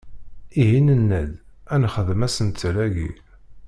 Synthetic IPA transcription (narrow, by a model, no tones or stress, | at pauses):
iɦinənːæd̪ænχəðəmæsənt̪ːɾæʝḭɾ